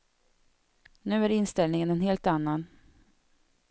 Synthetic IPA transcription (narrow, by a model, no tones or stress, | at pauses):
nʉ̟ːæɾɪnst̪ɛlnɪŋənɛnɦeːlt̪anːan